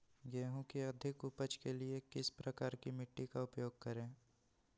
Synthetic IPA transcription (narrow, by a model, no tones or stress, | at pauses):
ɡeːɦõkiɐd̪ʱɪkʊpəd͡ʒkeliekɪspɾɐkaːɾkimɪʈːikaʊpjoːɡ̚kɐɾẽː